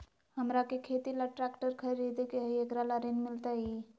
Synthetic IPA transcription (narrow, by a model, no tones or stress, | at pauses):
həmɾakekʰet̪ilaʈɾakʈəɾkʰəɾid̪ekeɦekɾalaɾenmilt̪ai